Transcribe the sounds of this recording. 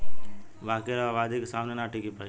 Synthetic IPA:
ʋaːkeɾaʋaːd̪ekesaːmnenaʈʰikipai

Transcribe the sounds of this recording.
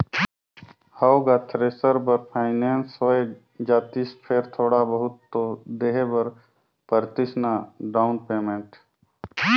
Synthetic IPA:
həwɡat̪ʰɾeːsəɾbəɾpʰaːɪneːnsəe | d͡ʒaːt̪iːspʰeːɾt̪ʰoːɽabəɦʊt̪ːod̪eːɦebəɾ | pəɾt̪ɪsnaɖaːʊnpeːmẽɳʈ

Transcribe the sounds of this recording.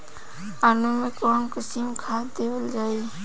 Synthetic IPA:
aːnumẽkɔːmkəsiːmkʰaːt̪d̪eːwəld͡ʒaːi

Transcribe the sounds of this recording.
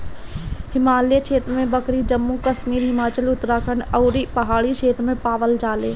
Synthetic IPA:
hɪmaːlijət͡ʃʰeːt̪ɾmẽbɐkɾid͡ʒɐmːũkɐʃmiːɾɦɪmaːt͡ʃəlʊt̪ɾaːkʰəɳ̃ɐʊɾipɐɦaːɭit͡ʃʰeːt̪ɾmẽpaːʋəld͡ʒaːleː

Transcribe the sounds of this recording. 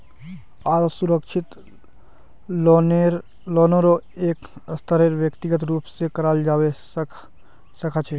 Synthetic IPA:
aːɾsʊɾəkʃʰɪt̪ | neɾ | loːnoɾoeːkst̪ʰəɾeɾʋjəkt̪ɪɡət̪ɾuːpsekɐɾaːld͡ʒaːwe | sɐkʰaːt͡ʃʰeː

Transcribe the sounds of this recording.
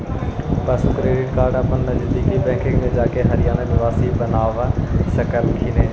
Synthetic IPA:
pɐskɾeːɖɪʈkaːɾɖabɐnnɐd͡ʑəd̪iːkibɛ̃ːkʰɪ̃ŋɡmẽd͡ʑaːkeɦɐɾɪjaːnəɗʋaːsibɐnaːʋsɐkəlkʰiːneː

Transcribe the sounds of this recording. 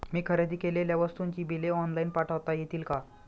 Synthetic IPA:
miːkʰəɾed̪ʱiːkeleljaʋəst̪uɲt͡ɕiːbileɔnlainpaʈʰəʋt̪ajet̪iːlka

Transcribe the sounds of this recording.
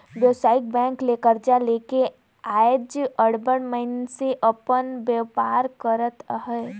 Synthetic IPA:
ʋjəʋsaːɪk̚bɛ̃ːŋkleːkəɾd͡ʒaleːke | aːjd͡ʒəɽbəɳməɪnseʔəpənbepaːɾkəɾət̪ɦɛː

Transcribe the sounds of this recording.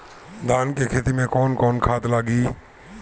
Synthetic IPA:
d̪ʱaːnkekʰeːt̪imẽkɔːnkɔːnkʰaːt̪laːɡiː

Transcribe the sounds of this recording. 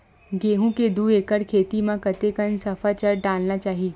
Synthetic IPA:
ɡeːɦũked̪uːeːkəɾkʰeːt̪imãkɐt̪ekənsɐfʰat͡ʃɐɾɖaːlnat͡ʃaːɦieː

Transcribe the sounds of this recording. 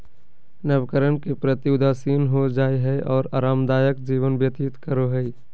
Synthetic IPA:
nəʋkəɾənkepɾət̪jʊd̪asiːnɦod͡ʒaːeɦɛʔɔːɾa̰ːɾaːmd̪aːjəkd͡ʒiːʋənbjət̪it̪kəɾoɦɛi

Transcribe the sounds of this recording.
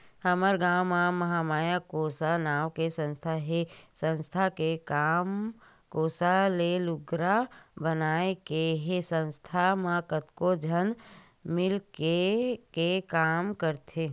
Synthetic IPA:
həməɾɡaːwmaməɦamaːjakoːsanaːwkesə̃nst̪ʰaɦesə̃nst̪ʰakem | koːsalelʊɡɾabənaːekeɦesə̃nst̪ʰamakət̪kod͡ʒʱən | mɪlkekekaːmkəɾt̪ʰe

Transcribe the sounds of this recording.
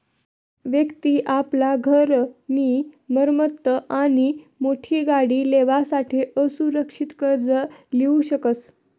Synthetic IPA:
ʋjəkt̪iːʔaplaɡʱəɾmiːməɾmət̪ːəʔaɽ̃imoʈʰiːɡaɽiːleʋasaʈʰeʔəsuɾəkʂit̪kəɾd͡zəliuɕəkət̪

